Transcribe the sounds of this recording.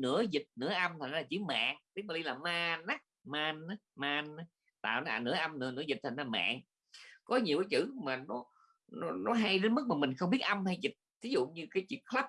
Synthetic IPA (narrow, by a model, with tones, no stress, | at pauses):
nɨ̰˧˥əzi˨˩t̚nɨ̰˧˥əʔa˧mt̪ʰa˨˩ŋ̟laː˨˩t͡ɕɨ˧˨˦ma̰ː˧˨ŋt̪i˦˥k̚ma˨˩ɗi˧laː˨˩maː˧nːa˦˥maː˧na˨˦maː˧na˨˦ | t̪a̰ː˧˨wna˨˦a˨˩nɨ̰˧˥əʔa˧mnɨ̰˧ənɨ̰˧˥əzi˨˩t̚t̪ʰa˨˩n˧laː˨˩ma̰ː˧˨ŋ | kɔ˨˦ɲi˨˩wkaː˨˦jt͡ɕɨ̰˧˩maː˨˩nɔ˨˦ | nɔ˨˦nɔ˨˦ɦa˧jɗe˨˦nmɨ˦˥k̚maː˨˩mï˨˩ŋ̟xə˧ŋ͡mɓi˦˥ət̚ʔə˧mha˧jzi˨˩t̚t̪ʰi˨˦zṵ˧˨ɲɨ˧kaː˨˦jt͡ɕḭ˧˨əŋxla˦˥p̚